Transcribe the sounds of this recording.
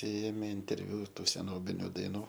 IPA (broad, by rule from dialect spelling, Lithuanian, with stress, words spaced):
ˈeːmʲeː ɪnʲtʲɛrʲˈʋʲʊ ˈtuː sʲɛˈnoːbʲɪnʲʊ dɐɪˈnuː